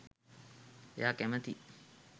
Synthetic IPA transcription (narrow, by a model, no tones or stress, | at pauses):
ḛjaːkɛmət̪i